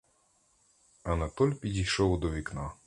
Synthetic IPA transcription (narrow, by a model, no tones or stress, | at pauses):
ɐnɐt̪ɔlʲpʲidʲijʃɔwd̪ɔʋʲiknɑ